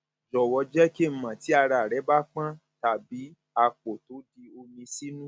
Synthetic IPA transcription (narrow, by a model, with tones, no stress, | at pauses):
d͡ʒɔ˨wɔ˧d͡ʒɛ˦ke˦˨m̩˨mã˨ti˨˦a˧ɾa˨ɾɛ˨˦ba˦k͡pã˦ | ta˨bi˨˦ | a˧k͡po˨to˨˦di˧o˧mĩ˧si˦nũ˦